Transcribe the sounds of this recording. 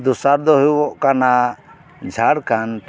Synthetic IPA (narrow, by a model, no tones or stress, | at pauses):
d̪usaɾd̪ɔɦujɔʔkana | d͡ʒʱaɽkant̪